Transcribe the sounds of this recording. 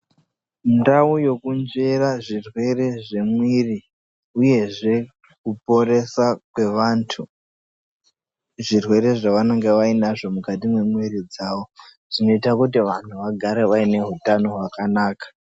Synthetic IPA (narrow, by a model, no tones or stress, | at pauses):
ndaujo̞kund͡ʒe̞raʐirwe̞re̞ʐe̞mwiri | uje̞ʐe̞ | kupo̞ɾe̞sakwe̞ʋaːntʰu | ʐirwe̞ɾe̞ʐaʋanaŋɡeʋainaʐo̞mukatimwe̞mwiɾid͡zaːʋo | ʐ̥ino̞itakutiʋantʰuʋaɡʱaɾeʋaine̞ɦutano̞ɦwakanaːkḁ